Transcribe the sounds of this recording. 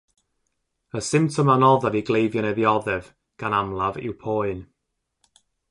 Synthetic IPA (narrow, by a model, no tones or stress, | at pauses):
əsɪmptʰɔmanɔðaviɡlˠejvjɔnɛðiɔðɛv | ɡ̥anamlˠavɪ̰wpʰoːɨn